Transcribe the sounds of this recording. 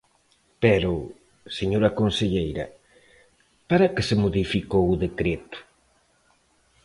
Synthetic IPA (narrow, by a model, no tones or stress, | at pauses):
pɛɾʊ | seɲoɾɐkonseʎejɾɐ̰ | paɾɐkesemoðifikowʊðekɾet̪ʊ̥